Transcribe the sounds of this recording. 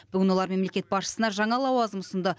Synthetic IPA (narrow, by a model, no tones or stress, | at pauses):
b̥ʏɡʲɪnwo̞lˠɑɾme̞mle̞kʲe̞t̪̚bɑsʃə̥sənɑʒɑɴɑlˠɑwɑzəmʊsənd̪ɑ